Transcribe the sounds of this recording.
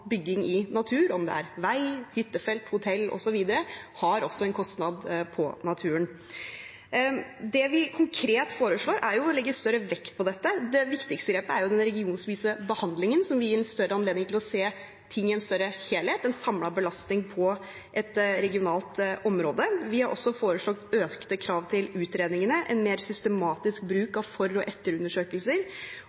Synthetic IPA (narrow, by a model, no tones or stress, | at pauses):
bʏɡːɪŋɪnɑt̪ʰʉːɾɔmd̪ɛ̰æ̰ɾʋæɪhʏt̪ːəfɛlt̪hʊt̪ʰɛlːʔɔ̰sɔʋiːd̪əɾəhɑɾɔsːɔɛnkʰɔst̪nɑd̪pʰɔnɑt̪ʰʉːən | d̪ɛʋɪkʰʊŋkʰɾeːt̪foːɾəʂɭoːɾʔæɾjʊlɛɡːəst̪œɾəʋɛkt̪̚pʰɔd̪ɛt̪ːəd̪ɛʋɪkt̪ɪkst̪əɡɾeːpəæɾjʊd̪ɛnɾɛɡɪuːnspiːsəbəhɑnd̪lɪŋənsɔmʋɪiɾɛnst̪œɾːəɑnleːd̪nɪŋt̪ʰɪlɔseː | t̪ʰɪŋːɪɛnst̪œɾəheːlheːt̪ɛnsɑmlɑbəlɑst̪nɪŋpʰɔ | ʔɛt̪ɾɛɡɪʊnɑːlt̪ʔɔmɾoːd̪əʋɪhɑɾʔɔ̰sːɔfoːɾəʂɭɑɡ̚t̪øːkt̪əkʰɾɑːʋt̪ʰɪlʉːt̪ɾeːd̪nɪŋənəʔɛnmeːɾsʏst̪əmɑːt̪ɪsk̚bɾʉːkɑʋfɔɾːɔʔɛt̪ːəɾʉnːəʂøːkəlsəɾ